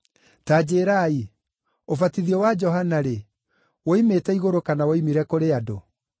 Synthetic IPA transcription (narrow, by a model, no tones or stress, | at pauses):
taːd͡ʑeːɾai | ofatiðiɔwad͡ʒɔɦanaɾe | woimetɛiɣoɾokanawoimiɾɛkoɾeado